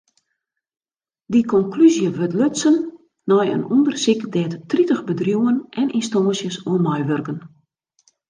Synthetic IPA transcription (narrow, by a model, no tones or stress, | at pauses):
dikɔŋklyzjəʋøtløtsənː | ɔjə̰nundərsikdɛːttritəxbədrjuwənʔɛninstoːsjəsuənmajʋørkən